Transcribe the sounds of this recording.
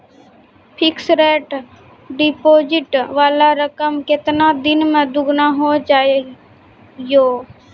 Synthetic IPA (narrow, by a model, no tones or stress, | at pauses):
pʰɪksɾeːʈ | ɖiːpoːd͡ʒɪʈʋaːlaːɾəkəmkɪt̪naːd̪ɪnmẽd̪ʊɡnaːɦot͡ʃaː | joː